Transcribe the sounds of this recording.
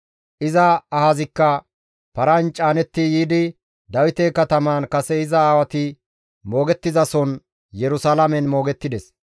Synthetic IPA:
ʔɪzɐːhɐzɪkːɐ | pɐɾɐnt͡ʃʼaːnɛt̪ːɪjiːd̪ɪ | d̪ɐwɪt̪eːkɐt̪ɐmaːnkɐsɛɪzɐaːwɐt̪ɪ | mo̞ːɡɛt̪ːɪzɐsɔn | jɛɾʊsaːlɐmɛnmo̞ːɡɛt̪ːɪd̪ɛs

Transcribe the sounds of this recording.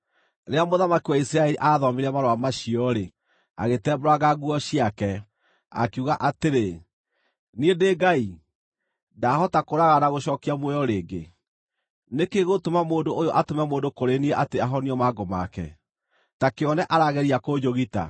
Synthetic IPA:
ɾeamoðamakiwaisɾaɛliʔaːðɔmeɾɛmaɾoamaʃiɔɾe | a̰ɣetɛːbɾwaɣaɣuɔɕiakɛ | a̰keuɣaʔateɾe | niendeːɡai | daɦɔtakoɾaɣanaɣoɕɔːkiamwɛjɔɾeːɡḛ | nekeɣotomamoːndoʔːjoʔatomɛmoːndokoɾeniɛʔateaɦɔniɔmaːɡoma̰kɛ̰ | takeɔnɛʔaɾaɣɛɾiakod͡ʑoɣita̰

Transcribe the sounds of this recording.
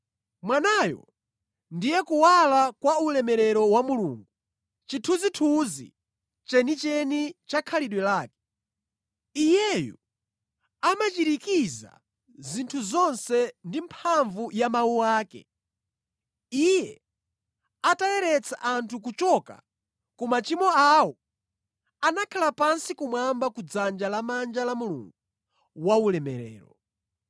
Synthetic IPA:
mwanaːjɔ̰ | ndijɛkuwalakwaulɛmɛɾɛɾɔwamulṵːŋɡu | t͡ʃitʰuzitʰuzḭ | t͡ʃɛnit͡ʃɛnit͡ʃakʰaliɗwɛlaːkɛ̥ | ijɛjṵ | amat͡ʃiɾikiza̰ | zintʰuzɔnsɛndimpʰaɱvujamawuwaːkɛ̰ | ijɛ | atalɛɾɛt͡sʰaʔantʰukut͡ʃɔka̰ | kɔmat͡ʃimɔawɔ | anakʰalapansikumwambakud͡zand͡ʒalamand͡ʒalamulṵŋɡu | waulɛmɛɾɛ̰ːɾɔ

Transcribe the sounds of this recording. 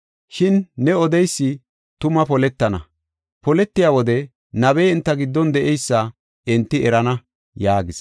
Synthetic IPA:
ʃɪnːɛɔd̪ɛjsːɪ | t̪ʊmɐpɔlɛt̪ːɐnɐ̰ | pɔlɛt̪ːɪjaːwɔd̪ɛ | nɐbɛjɪnt̪ːɐɡɪd̪ːɔnd̪ɛʔɛjsːɐ | ɛnt̪ːɪɛɾɐnɐ | jaːɡɪs

